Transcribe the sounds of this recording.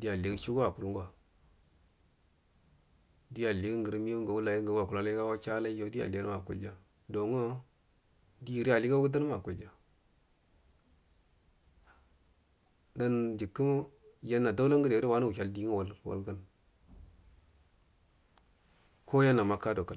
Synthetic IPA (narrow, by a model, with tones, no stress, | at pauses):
di˦ja˨li˨ɡt͡ʃu˦ɡwa˨ku˨lŋɡa˨ | di˦ja˨li˨ɡə˦ŋɡə˨ɾmi˦u˦ŋɡa˨wu˦la˨ji˦ɡa˨˦a˨ku˨la˦la˦ɡa˦wa˦t͡ʃa˦la˦jo˨˦di˦ja̰˨li˨ɡa˦n˦ma˨kṵ˨ld͡ʒa˦ | do˨ŋə˦ | di˦˨ɾi˦a˨li˦ɡa˦u˦də˦n˦ma˨ku˨ld͡ʒa˦ | da˦nd͡ʒi˨kːə˦m˦ja˦nːa˨da˦la˦ŋɡə˦di˨˦i˦wa˦nu˦wu˨a˨ldi˦ŋ˦wa˨lwa̰˨lɡə˦n | ko˦ja˦nːa˨ma˦ka˦do˨ka˦